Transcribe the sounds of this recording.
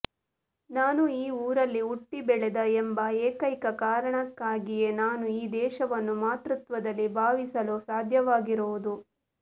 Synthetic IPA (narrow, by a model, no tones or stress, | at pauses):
naːnuiːuːɾɐlːiuʈːibɛɭɛd̪ɐembɐeːkɐjkɐkaːɾɐɳɐkːaːɡije̞naːnuiːd̪ɛːʃɐʋɐnːumaːt̪ɾut̪ʋɐd̪ɐlːibʱaːʋisɐlusaːd̪ʱjɐʋaːɡiɾoʋud̪u